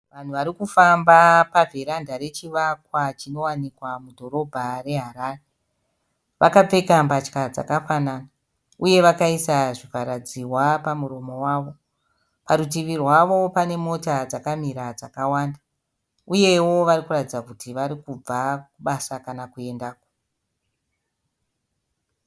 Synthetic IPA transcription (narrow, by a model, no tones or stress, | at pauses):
ʋan̤uʋaɾikufambapavʱeɾandaɾe̞t͡ʃiʋakwat͡ʃino̞wanikwamudʱo̞ɾo̞bʱare̞ɦaɾaːre | ʋakap͡fe̞kampat͡ʃkad͡za̰kafanana | uje̞ʋakaisaʐipaɾad͡ziwapamuɾo̞mo̞waːʋo̞ | paɾut̬iʋirwaʋo̞pane̞mo̞tad͡zakamiɾad͡zakawaːnda | uje̞wo̞ʋarikuratid͡zakutiʋaɾikub͡vakuɓasakanakue̞ndaːko